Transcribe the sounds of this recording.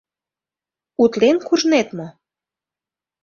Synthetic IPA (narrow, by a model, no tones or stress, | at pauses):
ut̪lenkuʒnet̪mɤ̆